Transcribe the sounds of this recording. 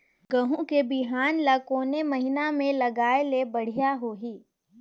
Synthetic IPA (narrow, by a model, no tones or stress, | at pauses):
ɡɐɦũkebɪɦaːnlɐkoːnemɐɦɪnamẽlɐɡaːelebɐɽ̤ijaɦoːɦiː